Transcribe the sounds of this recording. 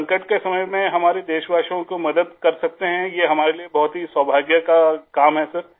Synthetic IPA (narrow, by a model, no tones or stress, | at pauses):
ŋkəʈkesɐməjmẽɦɐmaːɾed̪eːʃbaːʃõkomɐd̪əd̪kɐɾsɐk̚t̪eɦɛ̃jeːɦɐmaːɾeliebɐɦʊt̪ɦiswaːbʱaːɡjakakaːmɦɛsɐɾ